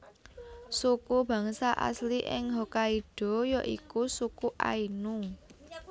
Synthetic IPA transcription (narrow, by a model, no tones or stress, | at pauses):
sukub̥ä̤ŋsaʔa̰sliʔɪ̰ŋɦɔkaiɖ̥ɔ̤jɔʔikusukuʔa̰inuŋ